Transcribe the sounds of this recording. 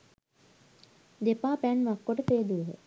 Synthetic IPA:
d̪epaːpænʋakːoʈəfeːd̪ueɦḛ

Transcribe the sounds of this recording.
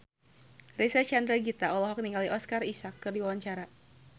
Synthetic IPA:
rɛsat͡ʃand̪ɾaɡit̪aʔɔlɔɦɔk̚niŋɡaliʔɔskarisakːɨrdiwawaɲt͡ʃaɾa

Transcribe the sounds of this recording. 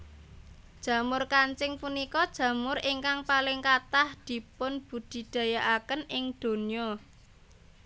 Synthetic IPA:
d̥ʒ̥ä̤mʊrkaɲt͡ʃɪŋpunikɔd̥ʒ̥ä̤mʊriŋkaŋpalɪŋkat̪ahd̪̥i̤pʊnb̥ṳd̪̥i̤d̪̥ä̤jaʔakənʔɪŋd̪̥o̤niɔ

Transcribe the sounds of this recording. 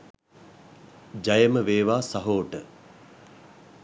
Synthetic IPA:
d͡ʒɐjəməʋeːʋaːsɐɦoːʈə

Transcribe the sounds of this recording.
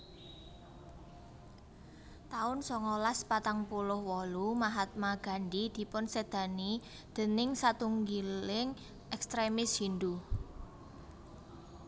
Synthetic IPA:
t̪aʊnsɔŋɔlaspat̪aŋpulʊhwɔlumaɦat̪̚maɡ̥a̤ɳɖid̪̥i̤pʊnsed̪̥ä̤ni | d̪̥ə̤nɪŋsat̪uŋɡilɪŋ | ʔɛkst̪ɾemɪshind̪u

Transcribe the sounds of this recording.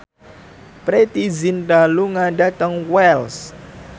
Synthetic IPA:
pɾet̪izinɖaluŋaɖat̪əŋwɛls

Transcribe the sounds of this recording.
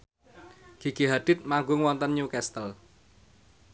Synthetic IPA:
ɡ̥i̤ɡ̥iɦad̪̥ɪt̪̚maŋɡʊŋwɔnt̪ənɲukɛst̪əl

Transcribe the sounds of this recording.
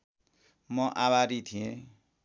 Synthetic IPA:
mʌʔaβaɾit̪ʰiẽ

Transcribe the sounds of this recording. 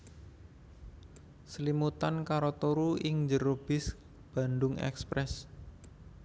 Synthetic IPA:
səlimut̪ankaɾot̪oɾuɪŋɲd͡ʒəɾob̥ɪs | b̥a̤ndʊŋɛ̰kspɾɛs

